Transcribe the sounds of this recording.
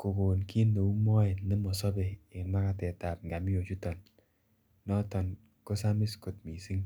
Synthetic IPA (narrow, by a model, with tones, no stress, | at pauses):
ko˨ko˨nki˦nːo˨u˦mɔ˦ɛ˨nɪ˦mɔ˨sɔ˦bɛː˨nma˦ka˨tɛ˨ta˨p̚ŋɡa˨mɪ˦o˨t͡ʃu˦tɔ˨nː | ɔ˦tɔ˨n | ko˦sa˦mɪ˦sko˨t̚mi˨si˦ŋ